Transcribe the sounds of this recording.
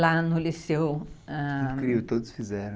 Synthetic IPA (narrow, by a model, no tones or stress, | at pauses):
lanʊlisewɛ̃kɾiʊt̪od̪ʊsfizɛɾɐ̃